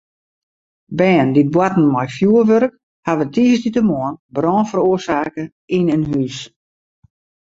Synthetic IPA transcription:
bɛːndit̚bwatn̩mɔjfjuːərʋøɾək̚ | haʋətʰiːsditəmɔənbrɔːnfəruərsaːkə | inənɦys

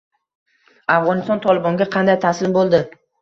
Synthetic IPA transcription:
afʁɒnɪst̪ɒnt̪ʰɒlɪbɒŋɡʲaqʰɑnd̪ajt̪ʰasɪmbolˠd̪ɪ

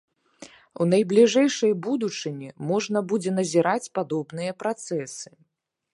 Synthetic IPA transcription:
unɐjblʲiʐɛjʂɐjbud̪ut͡ʂɨnʲimɔʐnɐbud͡zʲɛnɐzʲiɾat͡sʲpad̪ɔbnɨjɐpɾat̪sɛsɨ̥

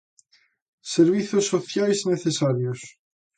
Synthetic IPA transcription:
seɾβ̞iθosːoθjajzneθesaɾjos

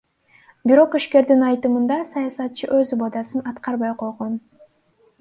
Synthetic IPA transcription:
biɾo̞qiʃke̞ɾd̪inɑjt̪ɯmɯnd̪ɑsɑjɑsɑt̪̚t͡ʃʰɯʔøzbod̪ɑsɯnɑt̪qɑɾβɑjqʰo̞jʁon

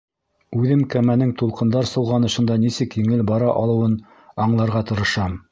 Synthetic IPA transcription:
ʉðɘmkæmænɘŋt̪ulˠqɤ̆nd̪ɑɾsɤ̆w̪ˠʁɑnɤ̆ʃɤ̆nd̪ɑnisɘkjɘŋɘlbɑɾɑʔɑlˠɤ̆wɤn | ɑɴlˠɑɾʁɑt̪ɤ̆ɾɤ̆ʃɑm

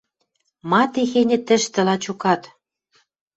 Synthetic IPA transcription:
mɑt̪exenʲɘ̆t̪ɘ̆ʃt̪ɘ̆lɑt͡ɕukɑt̪

